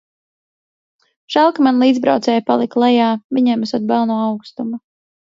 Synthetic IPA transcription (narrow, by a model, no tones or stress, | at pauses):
ʃalˠkamanlˠiːd̪zbɾa̰wt̪sɛːjpalˠiklˠɛjaːviɲɛmasɔd̪̚bælˠnuːawkst̪uma